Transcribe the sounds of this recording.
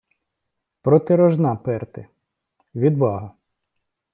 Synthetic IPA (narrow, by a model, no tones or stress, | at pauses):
pɾɔt̪ɪɾɔʒnɑpɛrt̪ɪ | ʋʲid̪ʋɑɦɐ